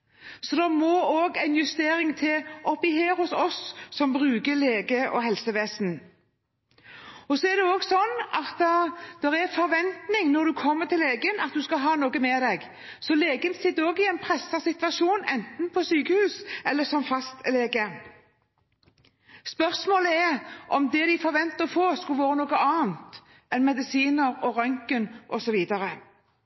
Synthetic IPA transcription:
sɔd̪ɑmoːoːɡæɪnjʉst̪eːɾɪŋt̪ʰɪʔɔpɪheːɾhʊsɔsːɔmbʁʉːkəleːɡəʔɔ̰ɦɛlsəʋeːsn̩ | ɔsɔɛɾd̪ɛoːɡsɔnːɑt̪ɛd̪̥ɛʁɛfɔɾʋɛnt̪nɪŋnɔd̪ʉkʰɔmːəʁt̪ʰɪlːeːɡənɑt̪̚d̪ʉskɑɦɑːnoːɡəmɛːd̪ɛɡ | sɔleːɡənsɪt̪ːoːɡɪɛɪnpʰɾɛsːəsɪt̪ʋɑʃuːnɛnt̪n̩pʰɔsyːkəhʉːsɛlːəsɔmfɑst̪leːɡə | spœʁsmoːləɛɾʔɔmd̪ɛd̪ɪfɔɾʋɛnt̪əʁfoːskɑlʋoːɾənoːɡəɑːnt̪ | ɛnmɛd̪ɪsiːnəɾɔɾœŋkənʔɔsɔʋiːd̪ɑɾə

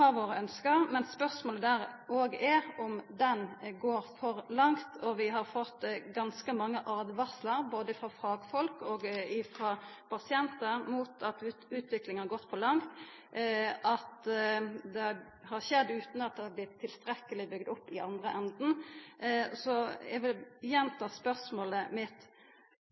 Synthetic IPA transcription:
ɑɾʋoːɾəœnskəɾmɛnspœʁsmoːləd̪æːɾʔoːɡɛɾɔmd̪ɛnɡoːɾfɔɾlɑŋt̪ʰɔʋɪɦɑɾfɔt̪ːɡɑnskəmɑŋːəʔɑːd̪ʋɑɾsləɾboːd̪əfɾɑfɑːɡfɔlkoːɡɪfɾɑ | pʰɑsɪɛnt̪əɾmuːt̪ʰɑt̪ʉːt̪ʋɪklɪŋɑɾɡɔt̪ːfɔlɑŋt̪ | ʔɑt̪ | d̪ɛ | hɑɾʃɛd̪ːʉːt̪n̩ɑt̪̚d̪ɛhɑblɪt̪ʰːɪlst̪ɾɛkːəlɪbʏɡd̪ʊpːɪʔɑnd̪ɾəʔɛnd̪n̩ | sɔɛ̰ɡʋɪljɛnt̪ʰɑːspœʁsmoːləmɪt̪

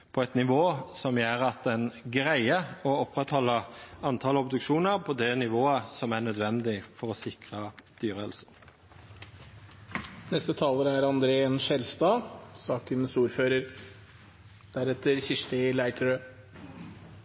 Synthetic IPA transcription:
pʰɔɛt̪nɪʋoːsɔmjeːʁɑt̪̚d̪ɛnɡʁæɪəɔɔpʁɛt̪hɔlːəɑnt̪ʰɑːlɔbd̪ʉkʃuːnəʁpʰɔd̪ɛnɪʋoːəsɔmæɳœd̪ʋɛnd̪ɪfɔʁɔsɪkʁɑd̪̥yːʁəɛlsə | nɛst̪ət̪ʰɑːləɾæɾɑnd̪ɾeːɛnʃɛlst̪ɑːsɑːkənsuːɾføːɾəɾ | d̪̥æɾɛt̪ːəɾçɪʂʈəlæɪʈ̪ʰəɾøː

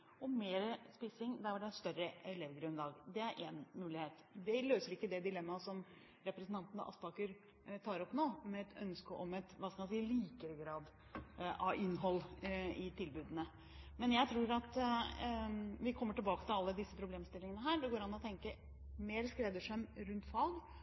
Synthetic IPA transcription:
ɔmeːɾspɪsɪŋd̪æɖɛst̪œɾəɛleːʋɡɾʉnd̪ɑːɡd̪ɛæɾʔenmʉːlɪheːt̪d̪ɛløːsəɾɪkːəd̪ɛd̪ɪlɛmːɑsɔm | ɾɛpɾəsnt̪ɑnt̪ənə̰ʔɑ̰spɑːkʉɾ | t̪ʰɑːɾɔpːnoːmɛɛt̪ʰœ̰nskəʔɔmɛt̪ʋɑskɑmɑsiːəliːkəɾəɡɾɑːd̪ | ɑ̰ʔɪnːɦɔlːɪt̪ʰɪlbʉːd̪ənə | mɛnjæɪt̪ʰɾuːɾɑt̪ | ʋɪkʰɔmːəʈɪlbɑːkət̪ɪlɑlːəd̪ɪsːəpʰɾʊbleːmst̪ɪlːɪŋənəɦæːɖɛɡoːɾɑnːɔt̪ʰɛŋkə | meːɾskɾɛd̪əʂɛmɾʉnt̪fɑlɡ

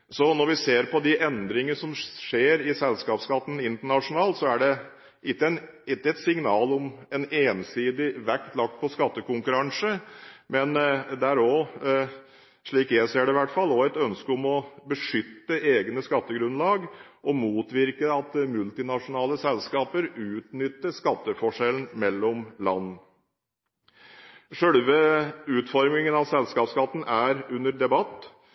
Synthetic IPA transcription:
sɔnɔɾʋɪseːɾpʰɔd̪ɪʔɛnd̪ɾɪŋəəʂɔmʂeːɾɪsɛlskɑːpskɑt̪ːn̩ɪnt̪əɳɑʂʊnɑːlt̪sɔæɖɛ | ʔɪt̪ːəɛnɪt̪ːəɛt̪sɪŋnɑːlɔmɛneːnsiːd̪ɪʋækt̪lɑk̚t̪̚pʰɔskɑt̪ːəkʊŋkʉɾɑŋsəmɛnd̪ɛæɾɔ | ʂɭiːkjæɪseːɖɛɪʋæʈːfɑlːɔæt̪œnskəɔmɔbəʂʏt̪ːəeːɡnəskɑt̪ːəɡɾʉnlɑːɡ | ʔɔmuːt̪ʋɪɾkəɑt̪mʉlt̪ɪnɑʂʊnɑːləsɛlskɑːpəɾʉːt̪nʏt̪ːəʂkɑt̪ːəfɔʂɛln̩mɛlːɔmlɑ̰nː | ʂœɽʋəʉːt̪fɔɾmɪŋənɑʋsɛlskɑːpskɑt̪ːn̩æɾʉnːəɾd̪ɛbɑt̪ː

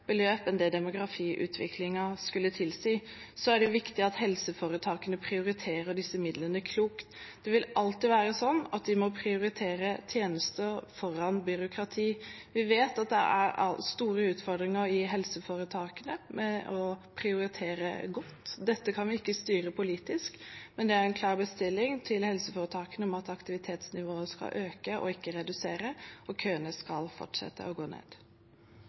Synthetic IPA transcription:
b̥əløːpɛnd̪ɛd̪ɛmʊɡɾɑfiːʔʉ̰ːt̪ʰʋɪ̰kʰlɪŋɑskʉlːət̪ʰɪlsɪ | sɔæɖɛjʊʋɪkt̪ɪɑt̪hɛlsəfoːɾət̪ʰɑːkənəpʰɾɪʊɾɪt̪ʰeːɾəɖɪsːəmɪd̪lənəkʰluːkt̪d̪̥ɛʋɪlʔɑlt̪ɪʋæːɾəsɔnːɑt̪̚d̪ɪmɔpʰɾɪʊɾɪt̪ʰeːɾət̪ʰjeːnəst̪əfɔɾɑnbʏɾʊkʰɾɑt̪ʰiːʋɪʋeːt̪ɑt̪̚d̪ɛ̰ʔæ̰ɾɑ̰st̪uːɾəʉːt̪fɔɖ̪ɾɪŋəɾɪɦɛlsəfoːɾət̪ʰɑːkənəmʔɛʔɔpʰɾɪʊɾɪt̪ʰeːɾə̰ɡɔt̪ːd̪ɛt̪ːəkʰɑnʋɪɪkːəst̪yːɾəpʰʊliːt̪ɪskmɛnd̪ɛæɾɛnkʰlɑːɾbəst̪ɪlːɪŋt̪ʰɪlhɛlsəfoːɾət̪ʰɑːkənəɔmɑt̪ɑkt̪ɪʋɪt̪ʰeːt̪snɪʋoːəskɑ̰ʔøːkəʔɔ̰ɪkːəɾɛd̪ʉseːɾəɔkʰøːənəskɑlfɔ̰ʈʂɛ̰t̪ːə̰ɔɡoːnḛːd̪̥

